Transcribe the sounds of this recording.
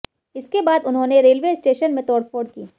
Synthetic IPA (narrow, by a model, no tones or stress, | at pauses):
ɪskebaːd̪ʊnɦõːneɾeːlʋeːsʈeːʃənmẽt̪ɔːɽfoːɖ̚kiː